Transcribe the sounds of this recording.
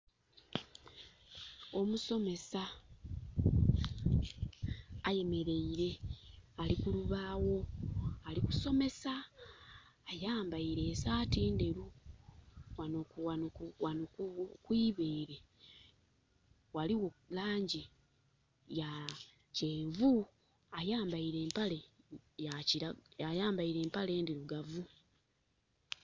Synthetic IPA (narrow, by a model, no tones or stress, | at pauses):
o̞muso̞me̞sa | je̞me̞ɾe̞iɾe̞alikuluβaːwo̞aliku̥so̞me̞saː | jaːmbaiɾe̞ːsaːtiːnde̞ɾu | wanoawanokwiːβeːɾe̞ | waliwo̞laːɲɟi | ja | ceːvu | ajaːmbaiɾe̞ːmpalejaciaajaːmbaiɾe̞ːmpale̞ːndiɾuɡavu